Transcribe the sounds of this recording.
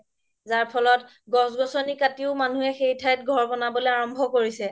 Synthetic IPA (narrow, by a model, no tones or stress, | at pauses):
zaɹpʰɔlɔt | ɡɔsɡɔsɔnikatiʊmanuɦɛxejtʰaɹɛt̚ɡʱɔɹbɔnabɔlɛaɹɔmbʱɔkoɹisɛ